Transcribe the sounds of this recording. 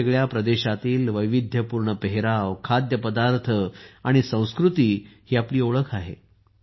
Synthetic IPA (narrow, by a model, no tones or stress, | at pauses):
eɡɭjapɾəd̪eɕat̪iːlʋəjʋid̪ʱjəpuːɾɳəpəɦeɾaʋkʰad̪jəpəd̪aɾt̪ʰəaɽ̃isə̃w̃skɾut̪iːhiːapliːoɭəkʰaɦḛ